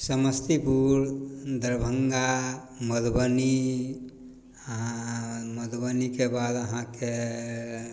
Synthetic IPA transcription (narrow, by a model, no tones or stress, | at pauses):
səməst̪ipuɾd̪əɾbʱəŋɡa | məd̪bəni | aməd̪bənikebad̪əɦãke